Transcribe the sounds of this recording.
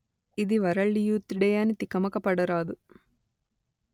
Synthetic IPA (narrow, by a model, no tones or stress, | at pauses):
id̪iʋɐɾɐɭːijuːt̪ːiɽɐjaːnit̪ikɐmɐkɐpɐɽɐɾaːd̪u